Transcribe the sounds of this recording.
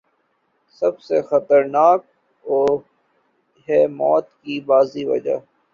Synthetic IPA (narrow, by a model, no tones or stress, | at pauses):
sɐbsexət̪əɾnaːk̚ | oː | ɦɛːmɔːt̪kibaːziʋɐ̰d͡ʒa̰ː